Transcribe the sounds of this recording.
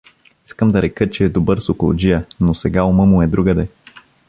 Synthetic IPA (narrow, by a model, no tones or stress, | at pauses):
iskəmd̪ɐɾɛkət͡ʃɛːd̪obɤɾsokolˠo̰d͡ʒijənosɛɡaoməmuɛd̪ɾuɡəd̪ɛ